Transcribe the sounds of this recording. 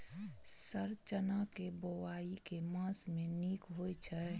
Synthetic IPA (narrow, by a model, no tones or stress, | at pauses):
səɾt͡ʃənakebowaːikemãsmẽnikɦojt͡ʃʰɛ